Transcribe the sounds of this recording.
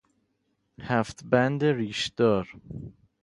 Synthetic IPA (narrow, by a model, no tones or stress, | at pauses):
hæft̪bænd̪eɾiʃd̪̥ɔɾ